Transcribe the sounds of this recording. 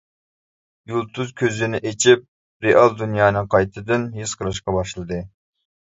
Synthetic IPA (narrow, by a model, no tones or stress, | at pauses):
julˠt̪ʰuzkʲʰøzɪnɪʔet͡ʃʰip̚ | ɾeʔɑlˠd̪unjɑːnɨŋqʰɑjt̪ʰɨd̪ɨnjizqʰəɾˠɨʃ̬qɑbɑʃlˠɨd̪ɨ